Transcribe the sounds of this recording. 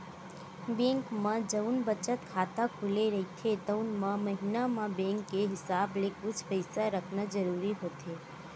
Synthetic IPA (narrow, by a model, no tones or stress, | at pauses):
bẽːŋkmãd͡ʒəʊnbɐt͡ʃət̪kʰaːt̪akʰʊleɾɐɦit̪ʰet̪ɐʊnmãmɐɦɪnamãbẽːŋkːeɦɪsaːblekʊt͡ʃʰpɛːsaɾɐkʰnazɐɾuːɾiɦoːt̪eː